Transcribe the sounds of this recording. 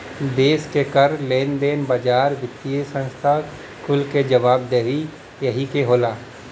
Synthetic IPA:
d̪eːskekəɾleːnd̪eːnbad͡ʒaːɾʋɪt̪ːiesə̃nst̪ʰa | kʊlked͡ʒɐʋaːbd̪eːɦi | jəɦikeɦoːlaː

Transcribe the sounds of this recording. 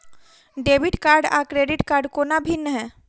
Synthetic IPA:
ɖeːbɪʈkaːɾɖa̰ːkɾeːɖɪʈkaːɾɖkoːnabʱinːəɦɛː

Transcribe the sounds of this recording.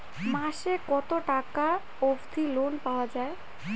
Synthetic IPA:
mãʃekɔt̪oʈaka | obd̪ʱilonpaoad͡ʑae

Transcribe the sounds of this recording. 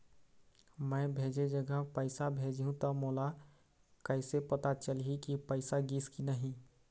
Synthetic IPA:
mə̃ːbʱeːd͡ʒed͡ʒəɡəɦpəɪsabʱeːd͡ʒɦũt̪ɔmoːla | kəɪsepət̪at͡ʃəlɦikipəɪsaɡiskinəɦĩ

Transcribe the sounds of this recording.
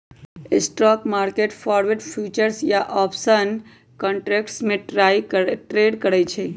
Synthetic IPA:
sʈɾɔkmaɾkeʈfɔɾʋeɖfʰjut͡ʃəɾsjaʔɔpsən | kɔɳʈɾekʈsmẽʈɾajʈɾeɖkəɽet͡ʃʰe

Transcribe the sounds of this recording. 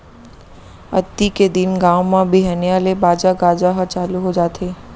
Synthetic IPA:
ɐ̰t̪ːiked̪ɪnɡãːwmãbʱiɦɛːneaːlebaːd͡ʒaɡaːd͡ʒaɦət͡ʃaːluɦod͡ʒaːt̪ʰeː

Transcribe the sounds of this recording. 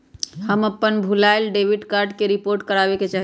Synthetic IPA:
həməpːənbʱulaelɖeʋiɖkaɾɖkeɾipoɾʈkəɾabeket͡ʃaɦi

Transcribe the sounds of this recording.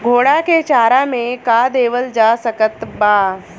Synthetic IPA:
ɡʱoːɽaket͡ʃaːɾamẽkad̪eːʋəld͡ʒaːsəkət̪baː

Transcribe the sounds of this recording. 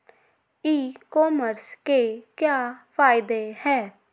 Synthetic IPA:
iːkɔːməɾskeːkjaːpʰaːɪd̪eːhɛː

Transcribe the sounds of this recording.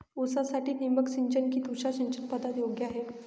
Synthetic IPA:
osasaʈiːniməksiɲt͡ɕənkiːt̪uɕaɕiɲt͡ɕənpad̪at̪joɡjaaɦe

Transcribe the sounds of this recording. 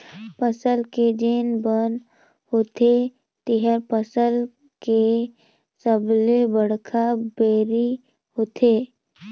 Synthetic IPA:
pəsəlked͡ʒeːnbən | hot̪e | t̪ɪɦəɾpəsəl | ke | səblebəɽkʰabeːɾi | hoːt̪ʰeː

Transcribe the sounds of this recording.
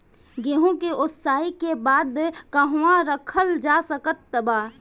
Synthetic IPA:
ɡeɦõkeʔʊt̪saːikebaːd̪kəɦãɾəkʰəld͡ʒaːsəkət̪ːəbaː

